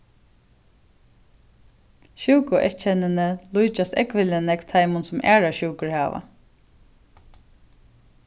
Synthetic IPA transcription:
ʃuwkʊʔɛt͡ʃʰɛnɪnəlujt͡ʃast̪ɛkʋɪlənɛkt̪ʰajmʊnsʊmæ̰ːɹaʃuwkʊɹhaːʋa̰

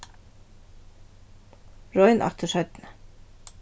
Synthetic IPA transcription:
ɹɔɪnʔɑ̰t̪ʰəʃœʏt̪n̩

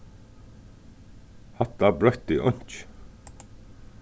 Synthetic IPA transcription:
hat̪abɾœht̪iʔɔɲ̥t͡ʃ

